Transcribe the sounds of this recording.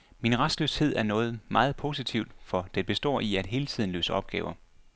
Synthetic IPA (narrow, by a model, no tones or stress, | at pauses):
minʁasd̥løːshe̝ð̞̰ˠæɐnɔ̽ːð̞̩ˠmɑ̈ːð̞̩ˠpʰo̝ːsit͡sʰiʊd̥fɒd̥eb̥e̝sd̥ɒ̰ːiæd̥ɦe̝ːlət͡sʰið̰ˠn̩lø̰ːsəɒ̽b̥ɡ̥ɛːʊɐ